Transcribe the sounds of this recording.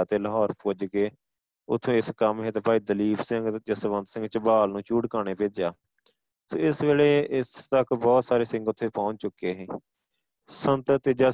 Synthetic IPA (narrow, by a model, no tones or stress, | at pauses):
aːt̪eːləɦɔːɾpod͡ʒkeː | ʊ̰t̪ʰːõːɪskəmɦẽːt̪eːpaːiːd̪əliːbsɪŋɡd͡ʒəsʋənd̪sɪ̃ŋɡt͡ʃbaːlnũːt͡ʃuːɽkaːneːpeːd͡ʒjaː | soːɪsʋeːleːɪst̪əkbɔːt̪saːɾeːsɪ̃ŋɡʊt̪ʰːeːpãːɲt͡ʃʊkːeːɦẽː | sənt̪t̪ɪd͡ʒaː